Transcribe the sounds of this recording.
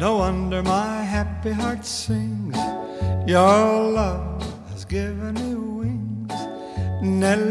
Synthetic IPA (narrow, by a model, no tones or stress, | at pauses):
noʊʌ̃ndə˞maɪɦæpiɦɑɹtsɪ̃ŋz̥ | jə˞lʌv | ɨzɡɪvɨ̃nnuwɪ̃ŋzz̥ | nɛl